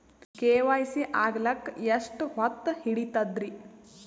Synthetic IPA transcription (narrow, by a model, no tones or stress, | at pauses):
keːʋaːjsiʔaːɡlɐkeʂʈɦɔt̪ːhiɽit̪ɐd̪ɾi